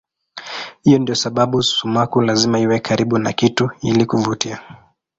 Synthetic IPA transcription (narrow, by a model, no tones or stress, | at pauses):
hijɔndiɔsaɓaɓusumakulazimaiwɛkʰaɾiɓunakituilikuvutia